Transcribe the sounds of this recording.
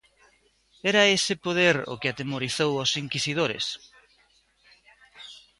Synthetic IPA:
ɛɾɐesɪpoð̞eɾo̰kɪat̪emoɾiθowosiŋkisið̞oɾḛs

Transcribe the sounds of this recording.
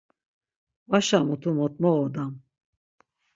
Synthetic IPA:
vaʃamut̪ʰumɔt̪̚ʼmɔɔd̪am

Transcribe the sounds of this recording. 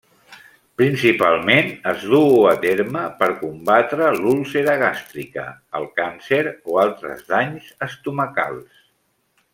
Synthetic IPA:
pɾinsipalˠmenəzðuət̪eɾməpəɾkumbat̪ɾəlulˠseɾəɣ̞ast̪ɾikə̰əlˠkanseɾoalˠt̪ɾə̰zðaɲzəst̪uməka̰lˠs

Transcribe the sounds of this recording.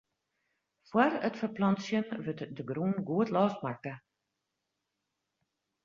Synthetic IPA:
fwarətfəplɔnsjənʋətdəɡruːnɡuətlɔːst̚markə

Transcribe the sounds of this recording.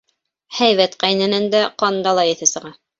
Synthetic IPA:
hæjβæt̪qæjnænænd̪æqɑnd̪ɑlˠɑjɘ̆θɘsɤ̆ʁɑ

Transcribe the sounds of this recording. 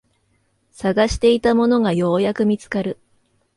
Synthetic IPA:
saɡaɕi̥t̪e̞it̪amo̞no̞ɡajo̞ːjakɯ̟mʲit͡sɨ̥kaɾɯ̟

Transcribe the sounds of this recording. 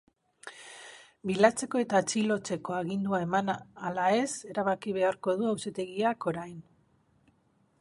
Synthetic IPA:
bilat͡se̞ko̞e̞t̪at͡ʃilo̞t͡se̞ko̞aɣind̪uae̞manalae̞se̞ɾaβakiβe̞aɾko̞ðuawset̪e̞ɣiako̞ɾajn

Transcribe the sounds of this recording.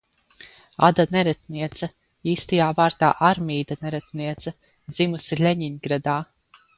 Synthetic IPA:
a̰d̪anɛɾɛt̪niɛt̪sɐ | iːst̪ajaːvaːɾt̪a̰ːʔaɾmiːd̪anɛɾɛt̪niɛt̪sɐ | d̪zimusilʲeɲiɲɡɾad̪aː

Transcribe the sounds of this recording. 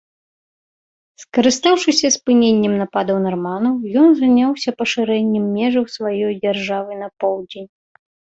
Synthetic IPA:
skɐɾɨst̪awʂɨsʲɐspɨnʲenʲːɛmnapad̪ɐwnarmanɐwjɔnzanʲawsʲɐpɐʂɨɾɛnʲːɛmːʲɛʐɨwsvajɔjd͡zʲarʐavɨnɐpɔwd͡zʲenʲ

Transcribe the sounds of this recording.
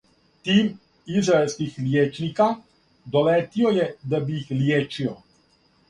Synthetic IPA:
t̪iːm | izɾaelskixljeːt͡ʃnika | d̪ɔlɛːt̪iɔjɛd̪abijixljeːt͡ʃiɔ

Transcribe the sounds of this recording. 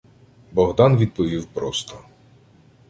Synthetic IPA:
bɔɦd̪ɑnʋʲid̪̚pɔʋʲiwpɾɔst̪ɔ

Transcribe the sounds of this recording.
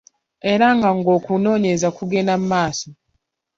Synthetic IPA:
e̞ɾaŋɡaŋɡo̞ːkuno̞ːɲezakuɡe̞namumaːso

